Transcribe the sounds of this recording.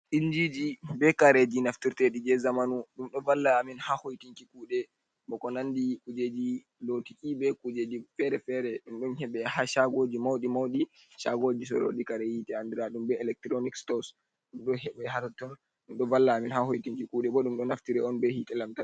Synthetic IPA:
ʔind͡ʒid͡ʒibɛkaɾed͡ʒinaftiɾtɛɗid͡ʒɛzamanuɗumɗɔvalːaːminhahojtiŋkikuːɗɛ | bɔkɔnandikud͡ʒed͡ʒi | lotiʔibɛkud͡ʒed͡ʒifɛɾɛfɛɾɛɗumɗɔnhɛɓɛhaʃaɡod͡ʒimawɗimawɗi | ʃaɡod͡ʒis̬ɔ̰ɾo̰ɗikaɾejitɛandiɾaɗumbɛɛlɛk̚tɾonikstɔs | ɗumɗɔhɛɓɛɛhatatːɔn | ɗumɗɔvalːaːminhahojtiŋkikuɗɛbɔɗumɗɔnaftiɾɛɔnbɛhitɛlamtan

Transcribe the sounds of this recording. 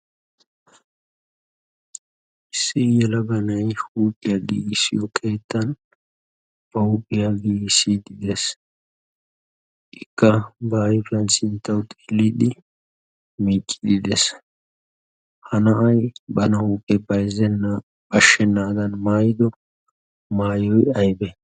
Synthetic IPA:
ʔɪsːɪjɛlɐbɐnɐjhuːpʼɪjaɡḭːsɪjɔkʰe̞ːt̪ːɐn | b̥ɐhuːpʼːɪjaɡiːsid̪ɪd̪es | ʔɪkːɐbaːjɪfɪɐnsɪnt̪ːɐwt̪ʼe̥ːlːid̪ɪ | miːt͡ʃʼːɪd̪ɪd̪es | hɐnɐʔɐjbɐnɐhuːpʼːɛbɐjzɛnːɐ | bɐʃːɛnːaːd̪ɐnmaːjɪd̪ɔ | maːjɔjɐjbɛ

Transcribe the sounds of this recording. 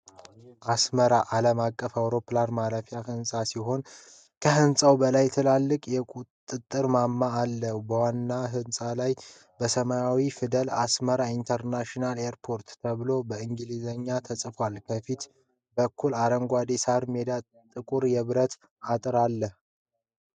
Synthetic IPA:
ʔasməɾaʔaləmakʼːəfawɾo̞planmaɾəfjahɨnsʼasiɦo̞n | kʰəɦɨnsʼawbəlajt̪ʰɨlalːɨkʼjɛkʼutt̪ʼɨt̪ʼːɨɾmamːaːlːəhubəwanːaɦɨnsʼalaj | bəsəmajawifɨd̪əlasməɾaint̪ʰəɾnaʃinaleɾpʰo̞ɾt̪t̪ʰəβɨlo̞bəɨŋɡɨlizəɲːat̪ʰəsʼfalkʰəfit̪ | bəkʰːulaɾəŋɡʷad̪esaɾmed̪a | t̪ʼɨkʼuɾjɛβɨɾət̪ | at̪ʼɨɾalːəh

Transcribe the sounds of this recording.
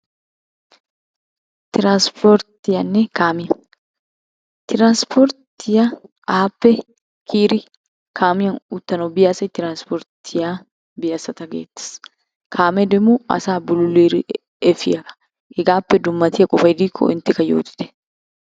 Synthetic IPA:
t̪ɪɾanspɔɾt̪ɪjɐnːekaːmɪjɐ | t̪ɪɾanspʰɔɾt̪ɪja | aːpːɛ | kʰiːɾɪ | kʰaːmɪjɐnʊt̪ːɐnobɪjasɐt̪ɪɾanspɔɾt̪ɪjaː | bɪjɐsɐt̪ɐɡḛːt̪ːɪ̥s | kʰaːmɛd̪ɛmuɐ̰saːbʊlʊliːɾ | ɛfɪɐkɐ̥ | hɪɡaːpːɛd̪ʊmːɐt̪ɪjɐkʼɔfɐd̪ikʰːɔ̰ʔɪnt̪ɪkɐjo̰ːt̪ɪ̥t̪ɛ̥

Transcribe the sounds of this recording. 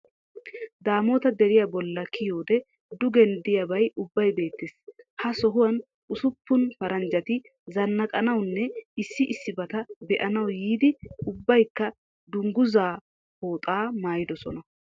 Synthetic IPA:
d̪aːmo̞ːt̪ɐd̪ɛɾɪjabɔlːɐkʰɪjoːd̪ɛ | d̪ʊɡɛnd̪ɪjɐbɐjʊbːɐjbe̞ːt̪ːɪshɐsɔɦʊwɐn | ʔʊsʊpːʊnfɐɾɐnd͡ʒɐt̪ɪ | zɐnːɐkʼɐnɐwnːɛɪsːɪʔɪsːɪbɐt̪ɐbɛʔɐnɐwjiːd̪ɪʊbːɐjkːɐ | d̪ʊŋɡʊzaː | ho̞ːt̪ʼaːmaːjɪd̪ɔsɔnɐ

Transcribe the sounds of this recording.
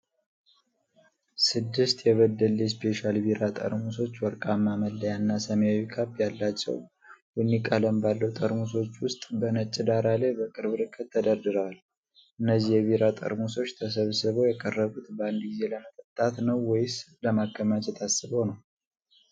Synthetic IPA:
sɨd̪ːɨst̪jɛβəd̪əlɛspʰe̞ʃalbiɾat̪ʼə̰ɾmuso̞t͡ʃːwɔɾkʼamːaməlːəjanːasəməjawikʰapːjalːat͡ʃːɛ̰w | bunːikʼələmbalːəwt̪ʼəɾmuso̞t͡ʃːwʊst̪ʼbənət͡ʃʼːɪd̪aɾalebəkʼɨɾβɨɾɨkʼːət̪ʰːəd̪əɾd̪ɨɾal | ʔɨnːəzːijɛβiɾat̪ʼə̰ɾmuso̞t͡ʃːt̪ʰəsəβsɨβojɛkʼərːəβut̪band̪ɡize̞ləmət̪ʼət̪ʼːat̪nəwːɔjɪsləmakʰːəmat͡ʃʼɛt̪ʰasːɨβonəw

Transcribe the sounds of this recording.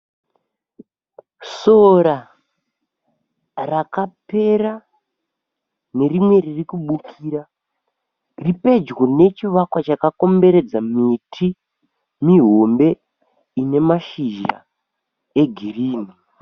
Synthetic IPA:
so̞ɾa | rakape̞ɾa | ne̞rimwe̞ririkuɓukʰiːɾa | ripe̞d͡ʒɡone̞t͡ʃiʋakwat͡ʃakako̞mbe̞ɾe̞d͡zamitʰi | miɦo̞mbe̞ | ine̞maʃiʒa̰ | e̞ɡʱiriːni

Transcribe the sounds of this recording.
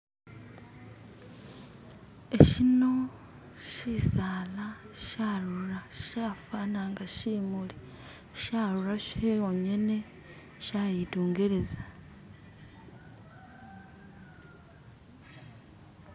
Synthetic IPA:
eʃino̞ | ʃiːsaːla | ʃaːɾuɾaʃaːfanaːŋɡaʃiːmuli | ʃaːɾuɾaʃeoɲe̞ne̞ | ʃaːjituːŋɡe̞ɾe̞za

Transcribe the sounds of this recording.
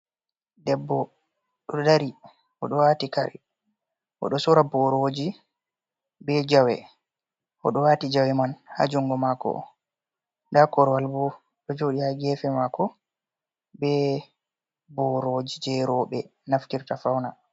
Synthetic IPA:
dɛbːɔ | ɗɔdaɾi | ʔɔ̰ɗɔwatikaɾḭ | ʔɔ̰ɗɔsuɾabɔɾod͡ʒi | bɛd͡ʒawɛ̰ | ʔɔ̰ɗɔwatid͡ʒawɛmanha̰d͡ʒuŋɡɔmakɔ̰ | ndakɔɾwalbɔ | ɗɔd͡ʒoːɗihaɡɛfɛmakɔ | bɛ | bɔɾod͡ʒid͡ʒɛɾɔɓɛnaftiɾtafawna

